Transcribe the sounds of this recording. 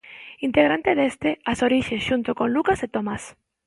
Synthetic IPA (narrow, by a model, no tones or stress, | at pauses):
int̪eɣɾant̪eðest̪easoɾiʃesʃunt̪okonlukaset̪omas